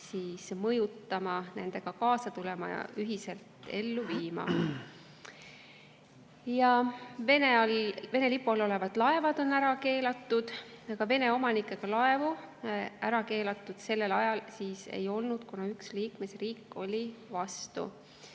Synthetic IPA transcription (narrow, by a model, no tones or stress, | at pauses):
siːsmɤjut̪ːɑmɑnend̪̥e̞ɡ̥ɑkɑːsɑt̪ule̞mɑ̰jɑ̰ʔyɦise̞lt̪e̞lːuviːmɑ̰ | jɑve̞neɑlve̞nelipːˑulo̞le̞vɑd̪̥lɑe̞vɑd̪̥o̞næɾɑke̞ːlɑt̪ˑːud̪̥ɑɡ̥ɑve̞ne̞o̞mɑnikːˑe̞ɡ̥ɑlɑe̞vu | æɾɑke̞ːlɑt̪ˑːud̪̥se̞lːe̞lɑjɑlsiːsḛjo̞lnud̪̥kunɑyksliːkme̞sriːkːˑo̞lʲivɑst̪ṵ